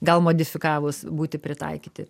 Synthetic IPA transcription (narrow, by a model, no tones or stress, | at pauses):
ɡɐlˠmoːd̪ʲɪfʲɪkɑːʋʊsbuːt̪ʲɪpʲɾʲɪt̪ɐ̰ɪkʲiːt̪ʲɪ̰